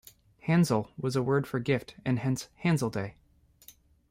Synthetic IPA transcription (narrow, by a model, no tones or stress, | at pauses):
hæ̃nzl̩ˠwʌzəwɜ˞d̥fə˞ɡɪftɨ̃nhɛ̃nshæ̃nzl̩ˠdeɪ